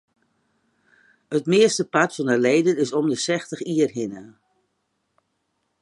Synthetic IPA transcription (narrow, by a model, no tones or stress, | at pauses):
hətmɪəstəpatfɔnəleːdənɪsɔmdəsɛxtəxiərɦɪnə